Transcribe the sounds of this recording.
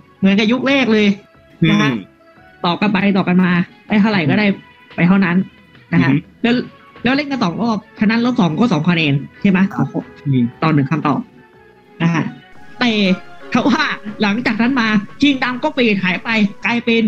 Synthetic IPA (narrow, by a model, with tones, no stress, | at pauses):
mɯ˩˦nka˨˩ju˦˥k̚leː˥˩k̚lɤː˧j | a˦˥kʰa˦˥˩ | t̪ɔː˨˩ka˧npa˧jt̪̬ɔː˨˩ka˧nmaː˧pa˧˩t̪ʰa˥˩wɾa˨˩jkɔ˥˩daː˥˩j | pa˧jt̪ʰa˥˩wna˦˥n | na˦˥kʰa˦˥lɛː˦˥w | lɛː˦˥wle˥˩nka˧nsɔː˨˩˦ŋloː˥˩p̚t͡ɕʰa˧nːa˦˥nloː˥˩p̚sɔː˩˦ŋkɔː˥˩sɔː˩˦ŋkʰaː˧neː˧nt͡ɕʰa˥˩jma˦˥˧t̪ɔː˨˩nɯ˩˦kʰa˧mt̪ɔ̰ː˨˩p̚ | na˦˥kʰa˦˥ʔt̪ɛː˨˧˩t̪ʰa˧˩waː˥˩la˩˦ŋt͡ɕaː˨˩k̚nʰa˦˥nmaː˧kʰi˧ŋda˧mkɔː˥˩pa˧˨˧t̪̚haː˨˩˦jpa˧jklaː˧jpe˧n